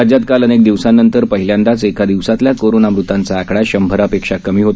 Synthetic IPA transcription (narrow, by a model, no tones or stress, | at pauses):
ad͡ʑjat̪̚kalənek̚d̪iʋsanːənt̪əɾpəɦiljand̪at͡sekad̪iʋsat̪ljakoɾonamɾut̪ant͡saːkɽaɕəmbʱəɾapekʂakəmiːɦot̪